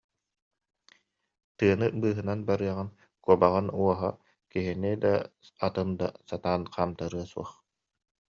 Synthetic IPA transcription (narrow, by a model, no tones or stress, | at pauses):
t̪ɯɐnɯbɯːɦɯnanbaɾɯɐʁɯn | kuɔbaʁɯnuɔɦa | kiɦinid̪a̰ː | t̪ɯnd̪a̰sat̪aːnqʰaːmt̪aɾɯɐsuɔχ